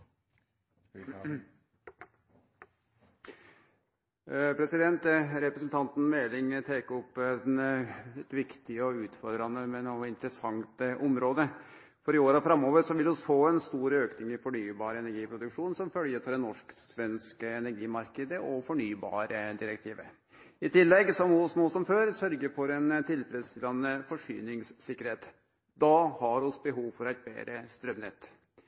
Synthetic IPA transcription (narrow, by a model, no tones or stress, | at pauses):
pʰɾɛsɪd̪ɛnt̪ɾɛpɾəsnt̪ʰɑnt̪n̩mɛːlɪŋt̪ʰeːkɔp̪ː | ɛt̪ʋɪkt̪ɪəɔʉːt̪fɔɾd̪ɾɑnəmɛnuːɪnt̪ɾəsɑŋt̪ʔɔmɾoːd̪ə | fɔɾɪoːɾɑfɾɑmːoːʋəɾʂɔʋɪlɔsfoːɛnst̪uːɾəøːknɪŋɪfɔɳyːbɑːɾəɛnæɾɡiːpʰɾʊd̪ʉkʂuːnsɔmfœljət̪ʰɑɾɛnːɔʂksʋɛnskəɛnæɾɡiːmɑɾkəd̪əɔfɔɳyːbɑ̰ːɾəd̪ɪɾɛk̚t̪ʰiːʋə̰ | ɪt̪ʰɪlːɛɡsɔmʊsnuːsɔmføːɾsœɾɡəɾfɔɾɛnt̪ʰɪlfɾɛd̪st̪ɪlːɑnəfɔʂy̰ːnɪŋssɪkːəɾheːt̪ | d̪ɑhɑɾɔsbəɦuːʋfɔɾæɪt̪̚bḛːɾəst̪ɾœmnɛ̰t̪ː